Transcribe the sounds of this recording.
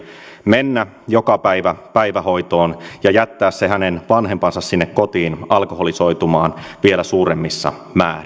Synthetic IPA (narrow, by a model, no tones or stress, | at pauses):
menːæ | jokɑpæiʋæpæiʋæho̞jt̪oːnjɑjæt̪ːæːssehænenʋɑnɦe̞mpɑnsɑssinːekkot̪iːnɑlkoɦoliso̞jt̪umɑːnʋielæsuːɾemːisːɑ̰mæ̰ːr